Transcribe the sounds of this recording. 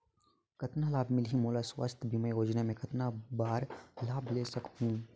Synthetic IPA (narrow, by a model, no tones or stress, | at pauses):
kɐt̪nalaːbmɪlɦimoːlaswə̰st̪ʰbʱimɛ̃joːd͡ʒnamẽkɐt̪nabaːɾlaːbleːsɐkɦũː